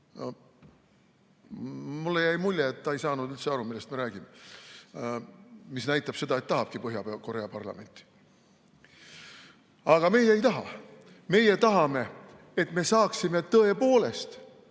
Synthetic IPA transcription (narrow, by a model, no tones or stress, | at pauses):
mulːejæjmulʲːjeːt̪ːɑejsɑːnud̪ylt̪se̞ɑɾumilːest̪meɾæːɡ̥ime | misnæjt̪ːˑɑb̥se̞d̪̥ɑet̪ːɑɦɑb̥̚kipɤɦjɑeko̞ɾe̞ɑpɑrlɑ̰me̞nt̪ːˑi̥ | ɑɡ̥ɑme̞jeejt̪ɑɦɑ̰ | me̞je̞t̪ɑɦɑme̞ | et̪me̞sɑːksime̞t̪ɤe̞po̞ːle̞st̪